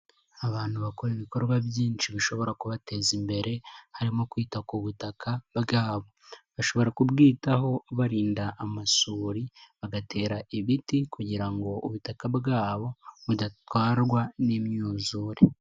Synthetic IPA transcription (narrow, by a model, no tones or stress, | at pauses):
aβaːn̥huβakoɾiβiko̞ɾɡwabjiːnʃiβiʃo̞βo̞ɾakuβate̞zimbe̞ɾe̞haɾimo̞kwiːtakuβutakʰabɡaːβo̞βaʃo̞βo̞ɾakubɡiːtaɦo̞βaɾiːndaʔːmasuːɾiβaɡatʰe̞ːɾaiβitikuɟiɾaŋɡo̞ʔuβutakabɡaːβo̞βudatwaːɾɡwanimɲuːzuːɾe